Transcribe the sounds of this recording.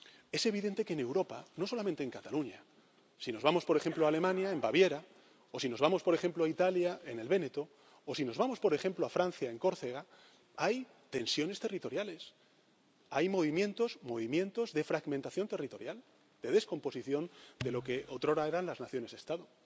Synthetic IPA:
e̞se̞β̞iðe̞nt̪e̞keːne̞wɾo̞pano̞so̞lamẽnt̪eŋkat̪aluɲa | sino̞zβamo̞spo̞ɾe̞xe̞mploale̞mãnjae̞mbaβje̞ɾa | o̞sino̞zβamo̞spoɾe̞xe̞mploait̪aljae̞ne̞lβe̞ne̞t̪o | osino̞zβamo̞spo̞ɾe̞xe̞mploafɾanθjae̞ŋko̞ɾθeɣa | aj | t̪e̞nsjo̞nest̪e̞rit̪o̞ɾjale̞s | ajmo̞β̞imjẽ̞nt̪o̞zmo̞β̞imjẽ̞nt̪o̞zðe̞fɾaɣmẽnt̪aθjo̞nt̪e̞rit̪o̞ɾjal | d̪e̞ðe̞sko̞mpo̞siθjo̞nd̪e̞lo̞ke̞ʔot̪ɾo̞ɾae̞ɾanlaznaθjo̞ne̞zðest̪aðo

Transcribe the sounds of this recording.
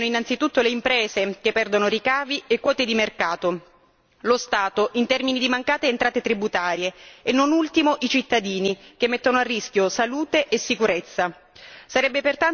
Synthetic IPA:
noinːant̪sit̪ut̪ːoleimpɾɛːzek̟epːɛrd̪onoɾikaːviekːwɔːt̪ed̪imerkaːt̪o | lost̪aːt̪oʔint̪ɛrminid̪imaŋkaːt̪eːnt̪ɾaːt̪et̪ɾibut̪aːɾjeenːonult̪imoʔit͡ʃit̪ːad̪iːnikemːet̪ːonoarːiskjosaluːt̪eʔesːikuɾet̪sːa | saɾɛbːepert̪an

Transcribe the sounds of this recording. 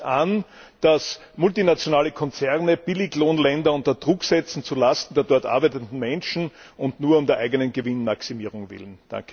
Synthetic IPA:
ʔand̥as | mʊltinat͡sjonaːləkʰɔnt͡sɛʁnəb̥ɪlɪçloːnlɛndɐʊ̃ntɐd̥ʁʊksɛt͡sn̩t͡sulastn̩deːɐdɔɐtʔa̰ɐbæɪtəntn̩mɛnʃn̩ | ʊntnuːɐʊmdeɐʔæɪɡənənɡəvɪnmaksimiːʁʊŋvɪ̰lənd̥ã̰ŋkʰə̥

